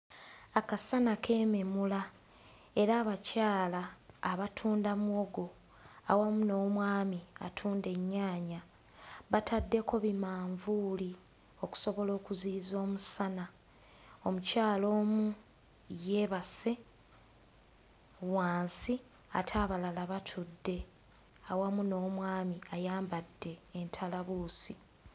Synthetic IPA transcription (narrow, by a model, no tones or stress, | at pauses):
akasanakʰe̞ːmemula | e̞ɾaːβacaːlaːβatʰuːndamuoɡo̞ | awamuno̞ːmwaːmia̰tʰuːnde̞ɲːaːɲa | βatʰadːe̞ko̞βimaːɱvuːli | o̞ku̥so̞βo̞lo̞ːkuziːzo̞ːmusana | omucaːlo̞ːmu | je̞βase | waːnsi | atʰaːβalalaβatʰudːe̞ | awamuno̞ːmwaːmiajaːmbadːe̞ːntʰalaβuːsi